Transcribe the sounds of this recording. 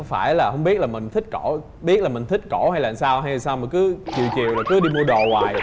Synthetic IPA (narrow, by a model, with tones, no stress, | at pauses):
ŋ͡mfaː˧˩jlaː˨˩hə˧wŋ͡mɓi˦˥ət̚laː˨˩m˨˩ŋ̟t̪ʰï˦˥k̟̚ko˧˩ | ɓi˦˥ət̚laː˨˩mï˨˩ŋ̟t̪ʰï˦˥k̟̚ko˧˩ha˧jla̰ː˧˨nsaː˧whɦa˧jaː˨˩nsaː˧wma˨˩ŋkɨ˨˦t͡ɕḭ˨wt͡ɕḭ˨əwlaː˨˩kɨ˨˦ɗi˧mu˧əɗo˨˩waː˨jj